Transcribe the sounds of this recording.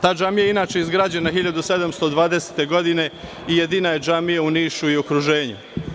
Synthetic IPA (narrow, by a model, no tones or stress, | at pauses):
t̪aːd͡ʒamijainaːt͡ʃe̞izɡɾaːd͡ʑe̞naɦiʎad̪use̞d̪amst̪o̞d̪ʋaːd̪eset̪e̞ɡo̞d̪ine̞ | ije̞d̪iːnaje̞d͡ʒamijeuniːʃuio̞kɾuʒe̞ːɲu